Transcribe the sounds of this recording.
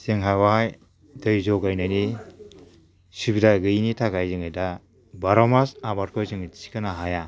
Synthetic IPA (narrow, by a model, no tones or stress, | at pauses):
seŋɦajwaj | dɯjzɔɡajnajni | subidaɡɯinitʰaɡajzɯŋɯjda | baɾɔmasabat̚kʰɔjzɯŋt͡ʃi̥kanaɦaja